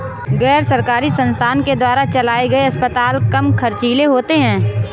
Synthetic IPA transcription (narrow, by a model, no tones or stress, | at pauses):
ɣɛːɾsɐɾkaːɾisə̃nst̪ʰaːnked̪waːɾat͡ʃɐlaːeɡɐeɐspət̪aːlkɐmkʰɐɾt͡ʃiːleɦoːt̪eɦɛ̃ː